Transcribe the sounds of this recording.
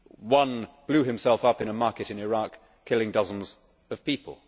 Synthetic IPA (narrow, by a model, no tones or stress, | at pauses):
wʌ̃nb̥lʉhɨ̃msɛlˠfʌpɨ̃ñəmɑɹkɨɾɨ̃nɪɹɑkʰː | ɪlˠɪ̃ŋdʌzə̃n̩z | ʌv̥piˑpʰə̰lˠ